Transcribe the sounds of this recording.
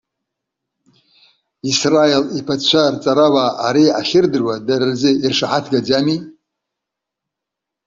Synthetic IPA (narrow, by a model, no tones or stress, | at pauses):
israelipʰat͡ʃʷʰart͡sʼaɾawaːaɾiaχʲɪrdɨrwadard͡zɨirʂaħatʰɡad͡ʒami